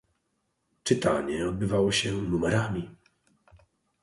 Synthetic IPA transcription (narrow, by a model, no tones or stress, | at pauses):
t͡ʂɘt̪aɲɛɔd̪̚bɘvawɔɕɛnumɛɾamʲi